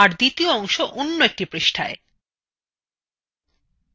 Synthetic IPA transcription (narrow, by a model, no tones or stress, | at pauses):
aɾd̪it̪ioɔŋʃoʔonːoek̚ʈipɾeʃʈʰae